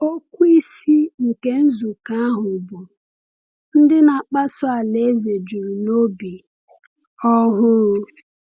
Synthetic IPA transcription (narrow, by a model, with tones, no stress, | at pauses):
o˦kʷu˦i˦si˦ŋ̩˨ke˦n̩˦zu˨ka˦a˦ɦʊ˨bʊ˨ | n̩˦dɪ˦na˨k͡pa˦sʊ˦a˨le˨˦ze˨d͡ʒu˨ɾu˨no˦bi˨ | ɔ˦ɦʊ˦